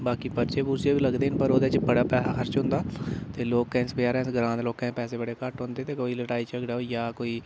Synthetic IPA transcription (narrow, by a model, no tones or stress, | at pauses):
baːkiːpəɾt͡ʃeːpuːɾsijeːbiːləɡd̪eːnpəɾoːd̪et͡ʃbəɽaːpɛːsaːxəɾt͡ʃɦʊ̃nd̪aːt̪eːloːkːɛ̃nspjaːɾɛ̃ːsɡɾãːnd̪loːkɛ̃pɛːseːbəɽeːkaʈɦõːnd̪eːt̪eːkoːiːləʈaːiːt͡ʃəɡɖaːojaːkoːiː